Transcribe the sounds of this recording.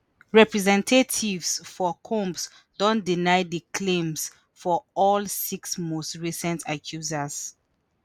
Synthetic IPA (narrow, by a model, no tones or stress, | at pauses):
ɹɛpɹɛzɛ̃ntʰetʰivsfɔkʰɔ̃mps | d̥ɔ̃ndinaɪdəkʰlẽms | fɔɔlsiksmostɹisɛ̃ntʰakʰjuzas